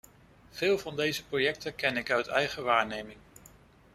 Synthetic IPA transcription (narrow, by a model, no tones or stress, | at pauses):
v̥ɪːlˠvɑndejzəprojɛk̚təkɛnɪkœɥtɛjχəʋaːɹnejmɪŋ